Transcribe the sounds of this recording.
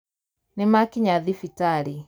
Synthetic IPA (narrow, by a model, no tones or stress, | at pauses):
nemakiɲaðifitaɾi